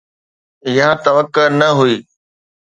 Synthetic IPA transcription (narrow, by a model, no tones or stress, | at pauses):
ɪɦãt̪ɐʋəkːəɾnɐɦuiː